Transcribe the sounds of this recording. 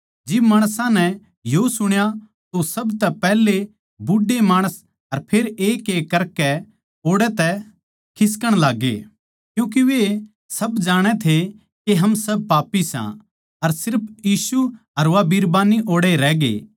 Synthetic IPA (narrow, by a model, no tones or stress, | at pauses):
d͡ʒɪbmaːɽ̃sãnɛ | josʊɽ̃ja | t̪osɐbt̪ɛpɛːle | bʊɖːemaːɽ̃əs | ɐɾpʰeːɾeːkekːɐɾkɛ | oːɽɛt̪ɛ | kʰɪs̬kəɽ̃laːɡːḛː | kjũːk̬iʋe | sɐbd͡ʒaːɽ̃ɛt̪ʰe | keɦɐmsɐb̚paːpːisã̰ | ɐɾsɪɾpʰjiːsu | ɐɾʋaːbiːɾbaːniʔoːɽeɾɛːɡḛː